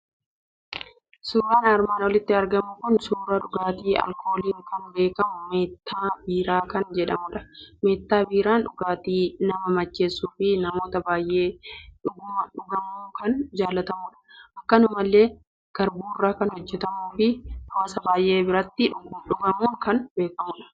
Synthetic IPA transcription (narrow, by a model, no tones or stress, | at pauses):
suːɾaːnaːɾmaːnwɔlɪt̪ːɪɐɾɡɐmʊkʊnsuːɾɐᶑʊɡaːt̪iːɐ̰lkʰo̞ːliːŋkɐnbe̞ːkɐmʊme̞ːt̪ːaːbiːɾaːkɐnd͡ʒɛᶑɐmʊᶑɐ̥me̞ːt̪ːaːbiːɾaːnᶑʊɡaːt̪iːnɐmɐmɐt͡ʃːe̞ːsːuːfɪnɐmo̞ːt̪ɐbaːjʔe̞ːᶑʊɡʊmɐᶑʊɡɐmuːkɐnd͡ʒaːlːɐt̪ɐmuːᶑɐ̥ʔɐkːɐnʊmɐlːe̞ː | ɡ̥ɐɾbuːrːaːkɐnhɔd͡ʒːɛt̪ɐmuːfɪɐmɐsɐbaːjʔe̞ːbɪɾɐt̪ːɪᶑʊɡʊᶑʊɡɐmuːŋkɐnbe̞ːkɐmʊᶑɐ̥